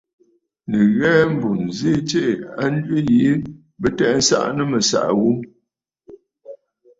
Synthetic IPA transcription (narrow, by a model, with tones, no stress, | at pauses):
nə˨ɣɛː˦m̩˨bu˨nze˦t͡ʃe˦˨a˦n˦dɥə˦ji˨˦ | bə˦tɛ˦˨ʔn̩˦sa̰˦ʔnə˦mə˨sa̰˨ʔɣu˦m